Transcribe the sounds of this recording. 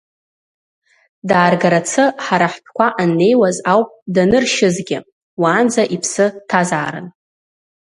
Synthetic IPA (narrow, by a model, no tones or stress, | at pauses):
daːrɡaɾat͡sʰɨħaɾaħpʰkʷʰaʔanːe̞jwazawpʼdanɨrʃɪzɡʲɪ̰ | waːnd͡zaʔipʰsɨtʰazaːɾɨ̰n